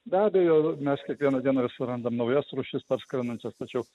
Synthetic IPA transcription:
bʲæːbʲɛjoːmʲɛskʲiɛkʋʲiɛnɐd̪ʲiɛnɐʋʲɪsʲɪɾɐnd̪ɐmnɐʊjɛsɾʊʃʲɪspɐɾskɾʲɐnɐnʲt͡ʃʲɛst̪ɐt͡ʃʲɛʊ

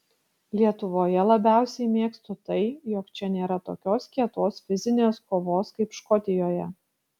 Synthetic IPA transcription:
lʲiɛt̪ʊʋoːjɛlˠɐbʲæˑʊsʲɛɪmʲeːkst̪ɔt̪ɐɪjɔkt͡ʃʲɛnʲeːɾɐt̪o̰ːkʲoːskʲiɛt̪oːsfʲɪzʲɪnʲeːskoːʋoːskɐɪpʃkɔt̪ʲɪjoːjɛ

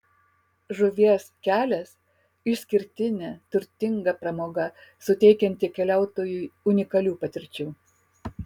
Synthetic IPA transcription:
ʒʊʋʲiɛskʲæːlʲɛs | ɪʃsʲkʲɪɾʲt̪ʲɪnʲɛt̪ʊɾʲt̪ʲɪŋɡɐpɾɐmoːɡɐsʊt̪ʲɛɪkʲɛnʲt̪ʲɪkʲɛlʲæˑʊt̪oːjuːʊnʲɪkɐlʲuːpɐt̪ʲɪɾʲt͡ʃʲuː

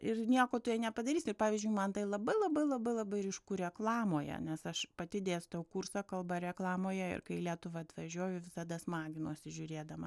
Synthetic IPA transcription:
ɪrnʲiɛkoːt̪ʊjɛnʲɛpɐd̪ɐɾʲiːsʲɪrpɑːʋʲiːzʲd͡ʒʲʊɪmɐnt̪ɐɪlˠɐbɐɪlˠɐbɐɪlˠɐbɐɪlˠɐbɐɪɾʲiʃkuːɾʲɛklˠɑːmoːjɛ̰nʲɛsɐʃpɐt̪ʲɪd̪ʲeːst̪ɐʊkʊrsɐkɐlˠbɐɾʲɛklˠɑːmoːjɛɪ̰rkɐɪlʲiɛt̪ʊʋɐɐt̪ʋɐʒʲoːjʊʋʲɪsɐd̪ɐsmɑːɡʲɪnoːsʲɪʒʲʊɾʲeːd̪ɐmɐ

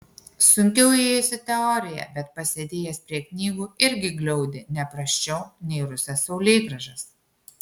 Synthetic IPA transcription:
sʊŋʲkʲɛʊeːjosʲɪt̪ʲɛɔːɾʲɪjɛ̰bʲɛt̪pɐsʲed̪ʲeːjɛspʲɾʲiɛknʲiːɡuːɪɾʲɡʲɪɡlʲɛʊd̪ʲɪnʲɛpɾɐʃʲt͡ʃʲɛʊnʲɛɪɾʊsʲɛsːɐʊlʲeːɡɾɐʒɐs

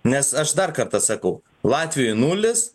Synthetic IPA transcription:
nʲɛsɐʃd̪ɐrkɐɾt̪ɐsɐkɐʊ | lˠɑːt̪ʲʋʲɪjoɪnuːlʲɪs

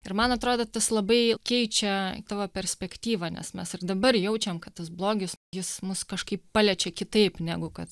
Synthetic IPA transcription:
ɪrmɐnɐt̪ɾoːd̪oːt̪ɐslˠɐbɐɪkʲɛɪt͡ʃʲɛt̪ɑːʋɐːpʲɛɾʲsʲpʲɛkt̪ʲiːʋɐnʲɛ̰smʲɛsɪrd̪ɐbɐrjɛʊt͡ʃʲɛmkɐtt̪ɐsblˠoːɡʲɪsjɪsmʊskɐʃkɐɪppɑlʲɛt͡ʃʲɛkʲɪt̪ɐɪpnʲæɡʊkɐt̪

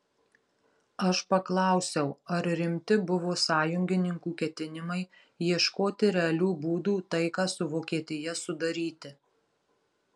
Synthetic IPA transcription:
ɐʃpɐklˠɐˑʊsʲɛʊɐɾɾʲɪmʲt̪ʲɪbʊʋoːsɑːjʊŋʲɡʲɪnʲɪŋkuːkʲɛt̪ʲɪnʲɪmɐɪ | jiɛʃkoːt̪ʲɪɾʲɛɐlʲuːbuːd̪uːt̪ɐɪkɑːsʊʋoːkʲiɛt̪ʲɪjɛsʊd̪ɐɾʲiːt̪ʲɪ

